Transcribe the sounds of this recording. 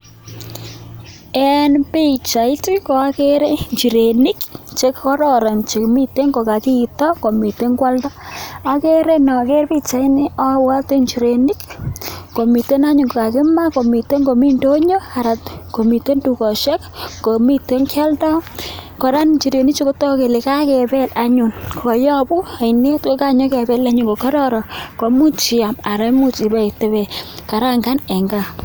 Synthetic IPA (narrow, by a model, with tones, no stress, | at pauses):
ɛ˦npi˦t͡ʃa˨ɪ˦ti˦ko˨a˦ke˦ɾe˦ɲt͡ʃi˨ɾe˨ni˦kt͡ʃe˦kɔ˦ɾɔ˨ɾa˨nt͡ʃe˨kmi˦te˦ŋɡo˨ka˨ki˦˨tɔ˦ko˨mi˨te˦ŋkwa˦ltɔ˦a˦ke˦ɾe˦nɔ˨ke˦ɾpi˦t͡ʃa˨i˦nɪ˦ɔ˦wa˦te˦ɲt͡ʃi˨ɾe˨ni˦kːko˨mi˨te˦na˦ɲʊ˨ŋɡo˨ka˨kɪ˦ma˦ko˨mi˨te˦ŋɡo˨mi˦ndo˦ɲo˦a˨ɾa˨tko˨mi˨to˦ndu˨kɔ˨ʃɛ˦kko˨mi˦te˦ŋkʰa˦ltɔ˦kɔ˨ɾa˦nt͡ʃi˨ɾe˨ni˦kt͡ʃo˦ko˦tɔ˦ke˨le˨ka˦kɛ˨bɛ˦la˦ɲu˨nkɔ˨jɔ˦bu˦a˨ɪne˦tko˦ka˦ɲo˦kɛ˨bɛ˦la˦ɲʊ˨ŋɡo˨ka˦ɾɔ˦ɾɔ˨ko˨mu˦t͡ʃi˨a˨ma˨ɾa˨˦mu˦t͡ʃi˨ba˨i˨te˨βɛ˨ka˨ɾa˦ŋɡa˦nɛ˨ŋɡa˨